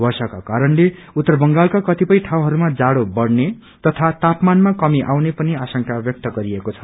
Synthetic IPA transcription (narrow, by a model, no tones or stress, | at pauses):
bʱʌrsʌkakaɾʌnle | ut̪ːʌrbʌŋɡalkakʌt̪ipʌjʈʰaw̃ɦʌɾumad͡zaɽobʌɽne | t̪ʌt̪ʰat̪apmanmakʌmiʔawnepʌniasʌŋkabjʌk̚t̪ʌɡʌɾiekot͡sʰʌ̥